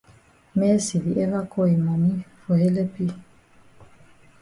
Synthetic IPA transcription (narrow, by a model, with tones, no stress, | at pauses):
mɛ˦si˨vi˨ʔɛ˦va˦kɔ˦i˨mɔ˨mi˦fɔ˨hɛ˦lɛ˦pi˦